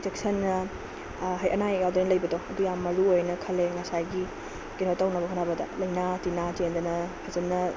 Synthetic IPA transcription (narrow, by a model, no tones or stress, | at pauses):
tek̚sɐnːɐ | ɦɐjʔɐnajɡawd̪ɐnɐlɐjbɐdoɐdujamːɐɾuojnɐkʰɐleŋɐsajɡi | kenotawnɐbɐkʰanabɐdɐ̰lɐjnatinatend̪ɐnɐhʰazɐnːɐ